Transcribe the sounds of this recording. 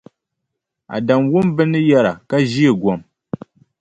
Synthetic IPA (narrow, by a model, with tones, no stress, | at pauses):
a̰˨da˨mwʊ˦mbɨ˦nɨ˦jɛ˦ɾa˨ka˦ʒi˦e˨ɡɔ˨m